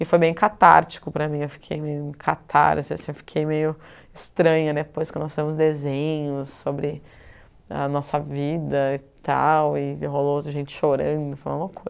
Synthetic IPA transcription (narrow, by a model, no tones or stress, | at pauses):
ɪfojbẽj̃kat̪a̰ɾt͡ʃi̥kʊpɾɐmĩewfi̥kʰejmejʊĩkʰat̪ʰa̰ɾzaɐsĩfi̥kʰejmejʊ | ɪst̪ɾɐ̃ɲɐd̪ɛpojskɔ̃nɔsfazemʊzd̪ezẽɲʊsːobɾɪ | ɐ̰nɔsɐvid̪ɐɪt̪a̰wɪɦoloʒẽnt͡ʃɪ̥ʃoɾɐ̃nd̪ʊfojmawɡumɐkʰojzɐ